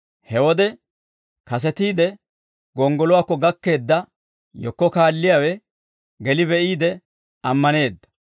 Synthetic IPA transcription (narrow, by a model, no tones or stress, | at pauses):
hɛwɔd̪ɛ | kɐs̬ɛt̪iːd̪ɛ | ɡɔŋɡɔlɔwaːkːɔɡɐkːe̞ːd̪ːɐ | jɔkːɔkaːlːɪjawɛ | ɡɛlɪbɛʔiːd̪ɛ | ɐmːɐne̞ːd̪ːɐ̥